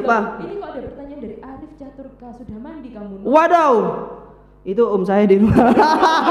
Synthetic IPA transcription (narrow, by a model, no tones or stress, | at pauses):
paadapərt̪aɲaandaɾiʔaɾɪft͡ʃat̪ʊrkasudaaiamuwadaw | it̪̬uomsajadem